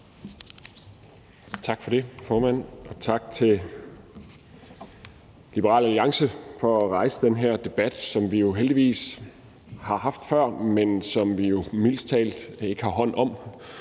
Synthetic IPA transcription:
t͡sʰɑ̈ɡ̥fɒ̽ɾ̥e̝fɒːmæn̰ɒ̽t͡sʰɑ̈ɡ̥̚t͡sʰe̝l | lib̥əʁɑ̰̈ːlæliɑ̈ŋsəfɒ̽æʁɑ̈ɪsəd̥enɦeɐ̰d̥e̝b̥æd̥sɒ̽mʋijo̝ɦeld̥iʋḭːs | hɑ̈ɦɑ̈fd̥fɶɐ̰mensɒ̽mʋijo̝mil̰st͡sʰɛ̰ːld̥e̝ɡ̥əhɑ̈ɦɒ̽n̰ɒ̽m

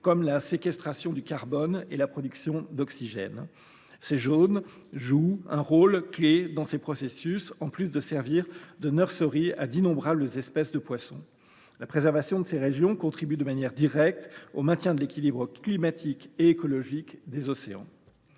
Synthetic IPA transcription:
kɔmlasekʲɛst̪χasjɔ̃d̪ykaʁbɔnelapχɔd̪yksjɔ̃d̪ɔksiʒɛ̰n | seʒon | ʒuɛ̃ʁolkled̪ɑ̃sepχɔsesysɑ̃plysd̪əsɛʁviʁd̪ənœʁsəʁia̰d̪inɔ̃bʁabləzɛspɛsd̪əpwasɔ̰̃ | lapχezɛʁvasjɔ̃d̪əseʁeʒjɔ̃kɔ̃t̪χibyd̪əmanjɛʁd̪iʁɛk̚t̪omɛ̃t̪jɛ̃d̪əlekʲilibʁəklimat̪ʰikeːkɔlɔʒikd̪ezɔseɑ̰̃

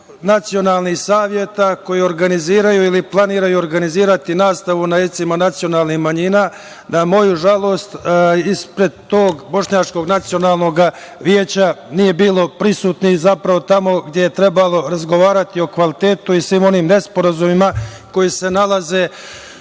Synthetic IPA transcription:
nat̪sijo̞naːlˠnixsaːʋje̞t̪ako̞jio̞ɾɡaniziːɾajuiliplˠaniːɾajuoɾɡaniziːɾat̪inaːst̪aʋunajet̪simanat̪sijo̞naːlˠnixmaɲiːnaː | namo̞juʒalˠo̞ːst̪ispɾe̞d̪t̪o̞ːɡbo̞ʂɲaːt͡ʃko̞ɡnat̪sijo̞naːlˠno̞ɡa | ʋjeːt͡ɕanije̞biːlˠo̞pɾisuːt̪nixzapɾaʋo̞t̪amo̞ɡdjeje̞t̪ɾe̞balˠo̞ɾazɡo̞ʋaːɾat̪io̞kʋalit̪e̞ːt̪uisʋiːmo̞niːmne̞spo̞ɾazumima | ko̞jise̞nalaze̞ː

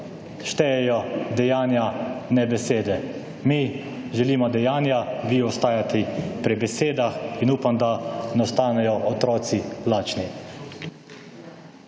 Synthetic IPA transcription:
ʃt̪ɛjɛjɔd̪ɛjaːnjanɛbɛseːd̪ɛ | mi | ʒɛliːmɔd̪ɛjaːnjaʋiɔst̪aːjat̪ʰɛpɾibɛseːd̪axinuːpamd̪anast̪aːnɛjɔɔt̪ɾɔːt̪silaːt͡ʃni

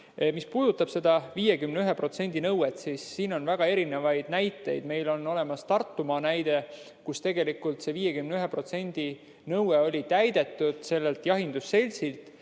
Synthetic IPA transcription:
mispuːd̪̥ut̪ːˑɑb̥se̞d̪̥ɑviːjekymneyɦepro̞t̪se̞nʲd̪̥inɤwet̪sisːiːno̞nvæɡ̥ɑe̞ɾine̞vɑjd̪̥næjt̪ːˑe̞̰jd̪̥me̞jlo̞nːo̞le̞mɑst̪ɑrt̪ːumɑnæjd̪̥e̞ | kust̪e̞ɡe̞likːˑult̪se̞viːje̞kymneyɦe̞pro̞t̪se̞nʲd̪̥i | nɤweo̞lʲit̪æjd̪̥e̞t̪ːˑud̪̥se̞lːelt̪jɑɦind̪̥usːe̞lʲsilt̪ˑ

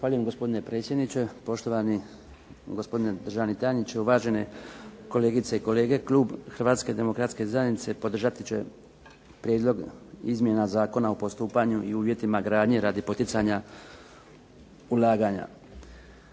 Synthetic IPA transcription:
axʋaːʎujemɡo̞spo̞d̪ine̞pɾe̞ːt̪sje̞d̪nit͡ɕe̞po̞ʃt̪o̞ʋani | ɡo̞spo̞d̪ined̪r̩ʒanit̪aːɲit͡ɕeuʋaːʒe̞ne̞ko̞le̞ːɡit̪se̞iko̞le̞ːɡe̞klˠuːbxrɾʋaːt̪ske̞d̪e̞mo̞kɾat̪ske̞zajenit̪se̞po̞d̪r̩ʒat̪it͡ɕe̞̰ | pɾjed̪lˠo̞ɡizmje̞nazaːko̞naopo̞st̪uːpaɲuiuːʋje̞t̪imaɡɾaːd̪ɲeɾaːd̪ipo̞t̪it̪saɲa | ulˠaːɡaɲa̰

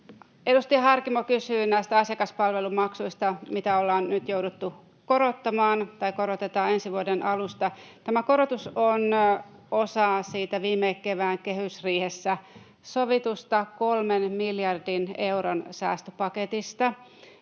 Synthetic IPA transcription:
e̞dust̪iɑɦɑrkimokysyːnæist̪æɑsjɑkɑspɑlʋelumɑksuist̪ɑmit̪æolːɑːnnyt̪jowdut̪ːu | koɾot̪ːɑmɑːnt̪ɑikoɾot̪et̪ɑe̞nsiʋuodenʔɑlust̪ɑt̪æmækoɾot̪uson | osɑːsiːt̪æʋiːmːeːkkːeʋæːŋke̞hysriːhesːæ | soʋit̪ust̪ɑkolmenmiljɑrdine̞uɾonsæ̰ːst̪øpɑket̪ist̪ɑ

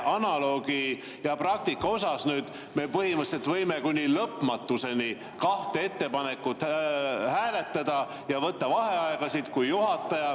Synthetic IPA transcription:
ʔɑnɑlo̞ːɡ̥i | jɑprɑk̚t̪ikːɑo̞sɑsnyːd̪̥ | me̞pɤhimɯselt̪vɤjmekunʲːilɤpmɑt̪ːˑuse̞ni | kɑht̪ee̞t̪ːe̞pɑne̞kːut̪hæːle̞t̪ˑːɑd̪̥ɑ | jɑvɤt̪ːɑvɑɦe̞ɑeɡ̥ɑsit̪kujːuɦɑt̪ːˑɑjɑ

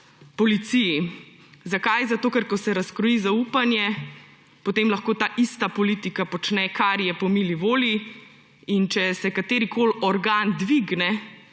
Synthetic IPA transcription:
pɔlit̪siji | zakajzat̪oːkɛɾkɔsɛɾaskɾɔjizauːpanjɛ | pot̪eːmlɐxkoːt̪aːʔist̪apɔlit̪ikapɔt͡ʃnɛkʰaɾjɛpɔmiliʋoːli | int͡ʃɛsɛkat̪eːɾikʰoːlɔɾɡand̪ʋiɡnɛ

